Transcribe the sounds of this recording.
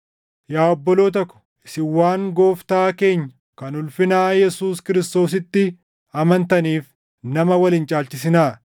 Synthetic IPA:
jaːɔbːɔlo̞ːt̪̬ɔkːʊ̥ | ɪsɪwːaːŋɡo̞ːft̪aːke̞ːɲːɐ̥ | kɐnʊlfɪnaːjɛsuːskɪɾɪst̪o̞ːs̬ɪt̪ːɪ | ɐmɐnt̪ɐniːf | nɐmɐwɐlɪnt͡ʃʼaːlt͡ʃɪs̬ɪnaː

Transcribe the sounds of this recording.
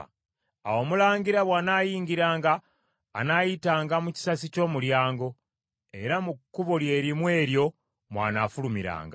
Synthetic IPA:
a̰wo̞ːmulaːɲɡiɾaβwaːnaːjiːŋɡiɾaːŋɡaː | najitaːŋɡamuci̥sasico̞ːmuljaːŋɡo̞ | e̞̰ɾamukːuβo̞lje̞ːɾimwe̞ːɾjo̞ | mwa̰ːna̰ːfulumiɾa̰ːŋɡa

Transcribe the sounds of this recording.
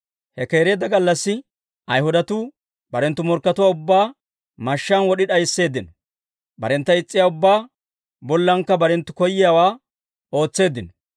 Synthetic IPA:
hɛke̞ːɾe̞ːd̪ɐɡɐlːɐsːɪ | ɐjhʊd̪ɐt̪uː | bɐɾɛnt̪ːʊmɔɾkːɐt̪ʊwaːʊbːaː | mɐʃːanwɔɗɪᶑɐjsːe̞ːd̪ɪn | bɐ̰ɾɛnt̪ːɐɪt͡sʼːɪjaːʊbːaː | bɔlːɐŋkːɐbɐɾɛnt̪ːʊkɔjːɪjawaː | o̞ːt͡sːe̞ːd̪ːɪn

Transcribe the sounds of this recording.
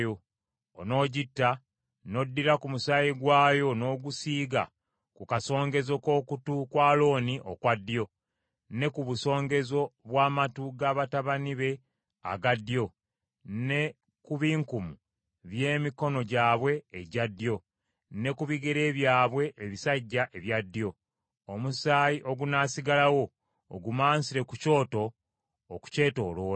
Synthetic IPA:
jo | ono̞ːɟitːa | no̞dːiɾakumusajiɡwaːjo̞no̞ːɡusiːɡa̰ | kukaso̞ːŋɡe̞zo̞ko̞ːkutukwaːlo̞ːniʔo̞̰kwadːjo̞ | ne̞kuβuso̞ːŋɡe̞zo̞βwaːmatuɡaːβataβaniβe̞ | a̰ɡadjo̞ | ne̞ | kuβiːŋkumu | βje̞ːmiko̞no̞ɟaːβwe̞ːɟadːjo̞ | ne̞kuβiɡeɾe̞ːβjaːβwe̞ʔːβisaɟːaʔe̞βjadːjo̞ | omusaːjiʔo̞ɡunaːsiɡalawo̞̰ː | ɡumaːnsiɾe̞kuco̞ːto̞ː | ku̥ce̞ːto̞̰ːlo̞ːa

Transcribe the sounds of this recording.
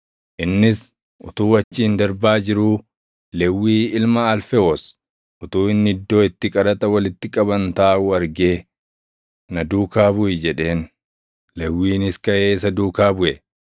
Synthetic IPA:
ʔɪnːɪs | ʔʊ̰t̪uːɐt͡ʃːiːnd̪ɐɾbaːd͡ʒɪɾuː | lɛwːiːɪlmaɐlfɛos | ʔʊt̪uːɪnːɪɪd̪ːo̞ːɪt̪ːɪkʼɐɾɐt̪ɐwɐlɪt̪ːɪkʼɐbɐnt̪aːʊɐɾɡe̞ː | nɐd̪uːkaːbʊɪd͡ʒɛᶑe̞ːn | lɛwːiːnɪskɐʔe̞ːsɐd̪uːkaːbʊʔɛ

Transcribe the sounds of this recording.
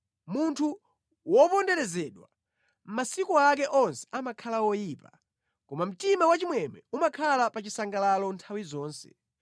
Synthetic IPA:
muntʰu | wɔpɔndɛɾɛzɛɗwa̰ | m̩masikuak̬ɛʔɔnsɛ̥amakʰalawɔjiːpa | kɔmam̩timawat͡ʃimwɛmɛumakʰalapat͡ʃisaŋɡalalɔntʰawizɔːnsɛ̥̰

